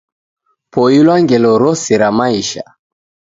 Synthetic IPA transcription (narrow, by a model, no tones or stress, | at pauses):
pʰɔilwaŋɡɛlɔɾɔsiɾamaiʃa̰